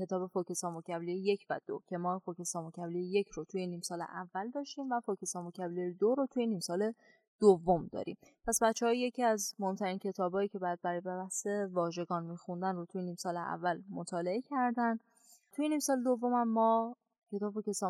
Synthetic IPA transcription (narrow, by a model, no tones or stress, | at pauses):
e̞t̪ɒːbe̞fokʰesɒmocʰæblijeje̞cʰvæ̰d̪̥o̰cʰe̞mɒːfokesɒːmocæblijeje̞cʰɾot̪ʰujeniːmsɒːlḛʔævːæld̪ɒːʃt̪iːmvæfocʰesɒːmocʰæblejd̪oɾot̪ʰujeniːmsɒːle̞ | d̪̥ovːomd̪ɒ̰ːɾḭmpʰæsbæt̪t͡ʃʰːehɒːje̞ciːæzmohemt̪ʰæɾiːncʰe̞t̪ʰɒːbɒːjiːcʰe̞bɒjæd̪̚bæɾɒːjebebæhse̞vɒːʒe̞ɡɒːnmiːxund̪ænrot̪ʰujeniːmsɒːleʔæ̰vːælmot̪ʰɒːle̞e̞cʰæɾd̪ænd̪ | t̪ʰujeniːmsɒːled̪ovːo̞mhæmːɒː | cʰe̞t̪ɒːbfokesɒ